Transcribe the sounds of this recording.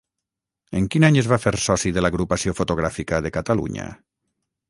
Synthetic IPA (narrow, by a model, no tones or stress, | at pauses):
eŋkinaɲezβafeɾsɔsiðelaɣɾupasiofot̪oɣ̞ɾafikaðekat̪alṵɲa̰